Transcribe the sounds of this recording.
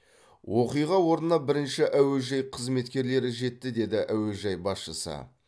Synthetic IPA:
woqijʁɑwo̞ɾnənɑbɪɾɪnʃɪʔæwelʒɑjqʰəzme̞t̪kʲe̞ɾle̞ɾɪʒe̞t̪ːɪd̪e̞d̪ɪʔæwe̞lʒɑjbɑsʃəsə̰

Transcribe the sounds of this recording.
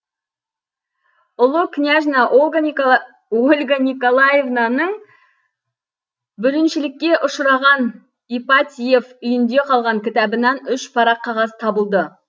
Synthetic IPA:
ʊlˠəkʰnʲaʒnɑʔ | olʲɡanʲikolˠajevnanəɴ | bʏɾɪnʃɪlɪkʲːe̞ʔʊʃɾɑʁɑn | ipat̪ʲijefʏjɪnd̪e̞qʰɑlˠʁɑŋkʲʰɪt̪ɑbənɑnʏʃpʰɑɾɑqʰːɑʁɑzt̪ʰɑbəlˠd̪ə

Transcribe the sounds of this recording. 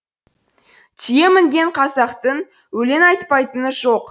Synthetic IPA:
tʰije̞mɪŋɡʲe̞ɴqʰɑsɑqt̪ən | wɵle̞nɑjt̪pɑjt̪ənəʒo̞q

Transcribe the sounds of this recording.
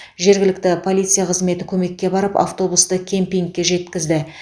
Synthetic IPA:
ʒe̞ɾɡʲɪlɪkt̪ɪpʰo̞lʲˠijt̪sɨijaqʰəzme̞t̪ɪkʲʰɵme̞kʲːe̞bɑɾəpa̰ft̪o̞bust̪əkʲʰempiŋk̚ʲːe̞ʒe̞t̪kʲɪzd̪ɪ

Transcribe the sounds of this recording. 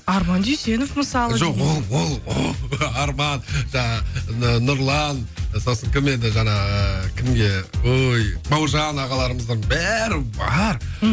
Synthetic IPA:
ɑɾmɑnd̪yjse̞nofməsɑlˠəʒo̞qwo̞lˠwo̞lˠwoɑɾmɑnʒɑɑənʊɾlˠɑnso̞səŋkʲʰɪmend̪ɪʒɑɴɑəkʲʰɪmɡʲe̞ojbɑwʒɑnɑʁɑlˠɑɾəməzd̪ɑnbæɾɪbɑɾ

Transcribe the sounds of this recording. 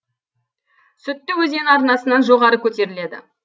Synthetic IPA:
sɵt̪ːɪwɵze̞nɑɾnɑsənɑnʒo̞ʁɑɾəkʲʰɵt̪e̞ɾɪle̞d̪ɪ̰

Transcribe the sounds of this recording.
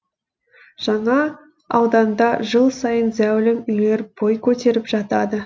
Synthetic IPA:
ʒ̥ɑɴɑ | ɑwd̪ɑnd̪ɑʒəlˠsɑjənzæwlɪmʏjne̞ɾbo̞jkʲʰɵt̪e̞ɾɪpʒɑt̪ɑd̪ə

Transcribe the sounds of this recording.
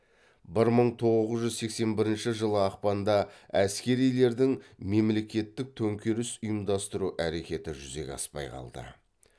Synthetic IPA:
bɪɾməɴt̪ʰo̞ʁəzəzʒʏzse̞kse̞nbɪɾɪnʃɪʒəlˠəɑq̚pɑnd̪ɑæskʲe̞ɾijle̞ɾd̪ɪŋme̞mle̞kʲe̞t̪ːɪk̚t̪ʰɵŋkʲeɾɪsʊjəmd̪ɑst̪əɾuʔæɾe̞kʲe̞t̪ɪʒʏze̞̰kʲɑ̰spɑ̰jqʰɑ̰lˠd̪ə̰

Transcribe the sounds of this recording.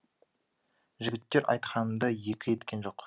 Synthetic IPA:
ʒɪɡʲɪt̪ːe̞ɾʔɑ̰jt̪qɑnəd̪ɑje̞kʲɪje̞t̪kʲe̞nʒo̞q

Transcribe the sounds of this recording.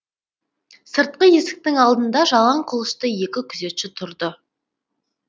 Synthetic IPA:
səɾt̪̚qəje̞sɪ̥k̚t̪ɪŋɑlˠd̪ənd̪ɑʒɑlˠɑɴqʰʊlˠəʃt̪əje̞kʲɪkʲʰʏze̞t̪ʃɪt̪ʰʊɾd̪ə

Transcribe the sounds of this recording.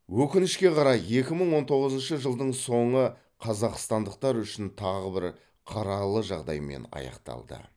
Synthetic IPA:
wɵkʲɪnɪʃkʲe̞qʰɑɾɑje̞kʲɪməɴwo̞nt̪ʰo̞ʁəzənʃəʒəlˠd̪əɴso̞ɴə | qʰɑzɑqst̪ɑnd̪əq̚t̪ɑɾʏʃɪnt̪ʰɑʁəbɪɾ | qʰɑɾɑlˠəʒɑʁd̪ɑ̰jme̞̰nɑ̰jɑ̰qt̪ɑ̰lˠd̪ə̰

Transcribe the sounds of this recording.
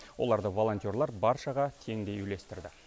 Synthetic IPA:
wʔo̞̰lˠɑɾd̪əvo̞lˠo̞nʲt̪ʲio̞ɾlˠɑɾbɑɾʃɑʁɑt̪ʰe̞ŋd̪e̞jʏle̞st̪ɪɾd̪ɪ

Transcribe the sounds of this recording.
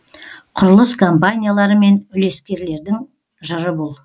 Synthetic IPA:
qʰʊɾəlˠəskʰo̞mpanʲijalˠɑɾəme̞nʏle̞skʲe̞ɾle̞ɾd̪ɪŋ | ʒəɾəbolˠ

